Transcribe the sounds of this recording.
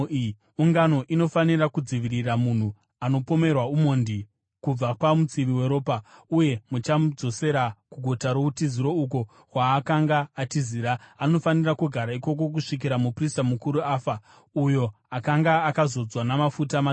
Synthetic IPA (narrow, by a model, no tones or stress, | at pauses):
uŋɡano̞ʔino̞fanirakud͡ziʋiriramun̤u | ano̞po̞me̞rwaumondi | kub͡vapamut͡siʋiwe̞ɾo̞ːpauje̞mut͡ʃad͡zo̞se̞ɾakuɡʱotaɾoutiziɾo̞uk̬o̞ | kwaːkaŋɡaːtiziːɾaːno̞fanirakuɡʱaɾaiko̞k̬o̞k̬uʂik̬iɾamupristamukuɾuaːfa | ujo̞ | akaŋɡaːkazo̞d͡zwanamafutama